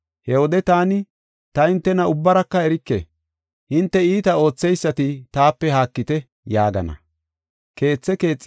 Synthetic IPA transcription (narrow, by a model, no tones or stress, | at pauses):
hɛwɔd̪ɛt̪aːnɪ | t̪ɐɪnt̪ːɛnɐʊbːɐɾɐkːɐɛɾɪkːḛ | hɪnt̪ːɛiːt̪ɐo̞ːt͡sːɛjsːɐt̪ɪt̪aːpːɛhaːkːɪt̪ɛ | jaːɡɐ̰nɐ̰ | ke̞ːt͡sːɛke̞ːt͡sʼː